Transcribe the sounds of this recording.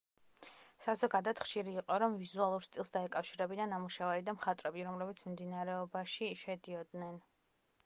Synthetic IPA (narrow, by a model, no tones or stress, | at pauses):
sazɔɡad̪at̪χʃiɾiːqʼɔɾɔmvizualˠuɾst̪ʼilˠsd̪aɛkʼafʃiɾɛbid̪anːamuʃavaɾid̪amχat̪ʼɾɛbiɾɔmlɛbit̪sʰmmd̪inaɾɛɔbaʃiʃɛd̪iɔd̪nɛn